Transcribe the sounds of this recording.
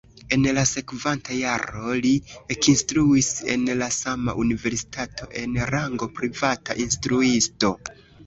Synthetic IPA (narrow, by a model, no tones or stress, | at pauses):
e̞nlase̞kvantajaɾo̞liekinstɾuise̞̰nlasama̰ʔunive̞ɾsi̥tʰatʰo̞ʔe̞nɾaŋɡo̞pɾivata̰ʔinstɾuisto̞